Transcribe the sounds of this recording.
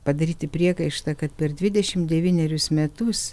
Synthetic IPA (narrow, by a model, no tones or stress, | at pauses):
pɐd̪ɐɾʲiːt̪ʲɪpʲɾʲiɛkɐɪʃt̪ɐkɐt̪̚pʲɛɾd̪ʲʋʲɪd̪ʲɛʃʲɪmd̪ʲɛʋʲiːnʲɛɾʲʊsmʲɛt̪ʊs